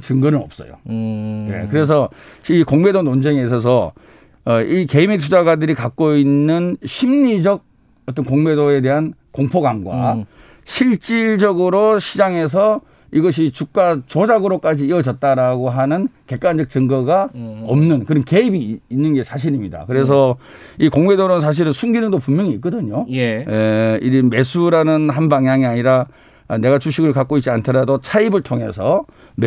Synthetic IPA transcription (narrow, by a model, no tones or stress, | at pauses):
t͡ɕɯŋɡʌnɯnʌ̰p̚s͈ʌ̰jo̰ne̞̰kɯɾe̞s̬ʰʌikoŋme̞donond͡ʑeŋes̬ʰʌs̬ʰʌː | ike̞imetʰud͡ʑaɡadɯɾikak͈̚oinːɯnɕʰimɲid͡ʑʌɡ̚ | ʌt̬͈ʌnkoŋme̞doe̞de̞ɦankoŋpʰoɡamɡwa̰ | ɕʰiɭt͡ɕ͈iɭd͡ʑʌɡɯɾoɕʰid͡ʑaŋe̞s̬ʰʌ | iɡʌɕ̬ʰit͡ɕuk̚k͈at͡ɕod͡ʑaɡɯɾok͈ad͡ʑiːʌd͡ʑʌt̚t͈aɾaɡoɦanɯnke̞k͈wand͡ʑʌk̚t͡ɕɯŋɡʌɡaʌmnɯnkɯɾʌnke̞ibiːnːɯnɡe̞sʰaɕ̬ʰiɾimɲida̰kɯɾe̞s̬ʰʌ | ikoŋmedoɾonsʰaɕ̬iɾɯnsʰuŋɡinɯŋdopumjʌŋiːk͈ʌdɯɲojeiɾime̞sʰuɾanɯnɦanbaŋjaŋiaɲiɾa | ne̞ɡat͡ɕuɕ̬ʰiɡɯɭkak͈oit̚t͡ɕ͈iantʰeɾadot͡ɕʰaibɯɭtʰoŋɦe̞̰sʰʌ | m